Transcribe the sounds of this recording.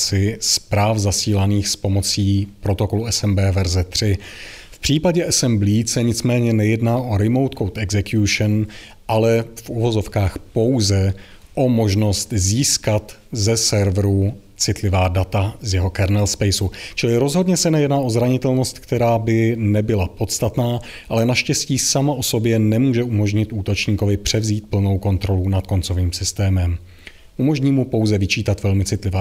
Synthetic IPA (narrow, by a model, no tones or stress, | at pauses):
t͡sɪspɾaːfzasiːlaniːxspo̞mo̞t͡siːpɾo̞t̪o̞ko̞luɛsɛmbɛːvɛɾzɛt̪r̝̥ɪfpr̝̥iːpaɟɛɛsɛmbliːsɛɲɪt͡smɛːɲɛnɛjɛdnaːʔo̞ɾɪmo̞wt̪kowt̪ɛɡzɛkjuʃn | ʔalɛfuvo̞zo̞fkaːxpo̞wzɛ | ʔo̞mo̞ʒno̞st̪ziːskat̪zɛsɛɾvɾu | t͡sɪt̪lɪvaːdat̪azjɛɦo̞kɛɾnɛlspɛjsut͡ʃɪlɪɾo̞zɦo̞dɲɛsɛnɛjɛdnaːʔo̞zɾaɲɪt̪ɛlno̞st̪kt̪ɛɾaːbɪnɛbɪlapo̞t̪st̪at̪naː | ʔalɛnaʃcɛsciːsamaʔo̞so̞bjɛnɛmuːʒɛumo̞ʒɲɪt̪ʔuːt̪o̞t͡ʃɲiːko̞vɪpr̝̥ɛvziːt̪̚pl̩no̞wko̞nt̪ɾo̞lunat̪̚ko̞nt͡so̞viːmsɪst̪ɛːmɛm | ʔumo̞ʒɲiːmupo̞wzɛvɪt͡ʃiːt̪at̪vɛlmɪt͡sɪt̪lɪvaː